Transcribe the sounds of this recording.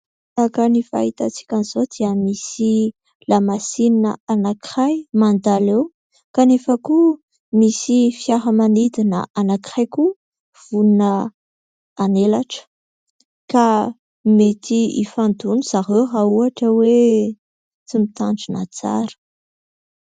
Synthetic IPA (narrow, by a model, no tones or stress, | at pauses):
akənifa̰it̪at͡si̥kʲanizod̪iəmisi | lamasininəanakχajmand̪alew | kanefaku | misifjaɦəmanid̪inə̰ʔanaki̥χajku | v̥unnə | anelaʈ͡ʂə̥ | ka | met̪iḭfand̪uniz̥aɦewɦauaʈ͡ʂəwe | t͡simit̪aɳɖ͡ʐina̰t͡sa̰ɾə̥